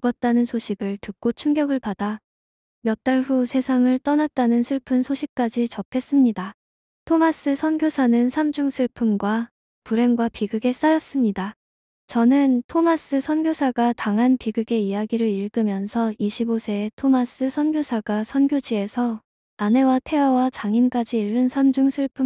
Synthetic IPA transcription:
ɡʌt̚t͈anɯnsʰoɕʰiɡɯɭtɯk̚k͈ot͡ɕʰuŋɡjʌɡɯɭpada | mjʌk̚t͈aɭɸusʰe̞sʰaŋɯɭt͈ʌnat̚t͈anɯnsʰɯɭpʰɯnsʰoɕʰik̚k͈ad͡ʑit͡ɕʌpʰe̞s͈ɯmɲida | tʰomas͈ɯsʰʌnɡjosʰanɯnsʰamd͡ʑuŋsʰɯɭpʰɯmɡwa | puɾe̞ŋɡwapiɡɯɡe̞s͈ajʌs͈ɯmɲida | t͡ɕʌnɯntʰomas͈ʰɯsʰʌnɡjosʰaɡataŋɦanpiɡɯɡe̞ijaɡiɾɯɾiɭɡɯmjʌnsʰʌiɕʰibosʰe̞tʰomas͈ʰɯsʰʌnɡʲjosʰaɡasʰʌnɡjod͡ʑie̞sʰʌ | ane̞watʰe̞wawat͡ɕaŋink͈ad͡ʑiːɭːɯnsʰamd͡ʑuŋsʰɯɭpʰɯ

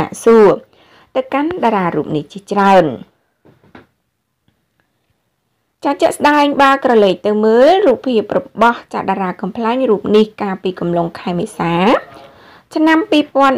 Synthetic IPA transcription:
a̰ʔsuə | t̪ɨwkanɗaːɾaːrṵːp̚niht͡ɕiət͡ɕraən | t͡ɕaːt͡ɕəʔsɗaɛŋɓaːkrɑleːk̚t̪ɨwməːlruːpʰːiəp̚rɔɓɑht͡ɕaɗaːɾaːkɑmpʰlaɛŋruːp̚nihkaːlpiːkɑmloŋkʰaɛmeːsaː | t͡ɕʰnampiːpŏən

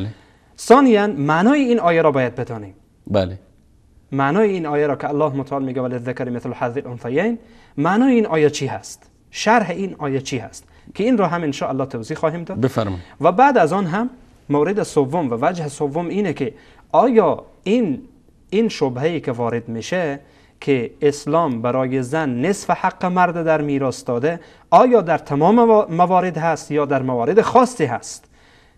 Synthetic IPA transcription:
sɒːnijanmanɔːiinɒːjaɾɔbɔːjad̪̚bed̪ɔːnem | bale | manɔːiinɔːjaɾɔːkɪalːɒːhmʊt̪ʰaɔlmeːɡavalɪðːɪkaɾmɪθlħaɾðɪlʔonfajejn | maːnɔːiinʔɒːjat͡ʃʰiɦast̪ | ʃaɾɦeinɒːjat͡ʃʰiha̰st̪ | kʰiinɾɔːɦaminʃɔːʔalːɒt̪ʰowziχɔːɦemd̪ɔːdefaɾ̰vabad̪azɔnɦamː | owɾed̪esovːomvævæd͡ʒhesovːomiːnekʰi | ɒːjɒ | in | inʃobɦeiːkʰevɒːɾed̪miʃe | kʰeːslɒːmbæɾɒːjezænːesfehaqːemæɾd̪ed̪æɾmiːɾɒst̪ɒːd̪e | ɒːjɒːd̪æɾt̪ʰæmɒːmmævɒːɾed̪hæst̪jɒːd̪æɾmævɒːɾed̪exɒsːiɦæst̪

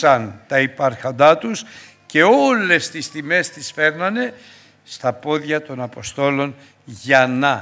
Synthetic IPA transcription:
ɐnt̪ɐipɐɾxond̪ɐt̪us | ce̞o̞le̞st̪ist̪ime̞st̪isfe̞ɾnɐne̞ | st̪ɐpo̞ðʝɐt̪o̞nɐpo̞st̪o̞lo̞n | ʝɐnɐ

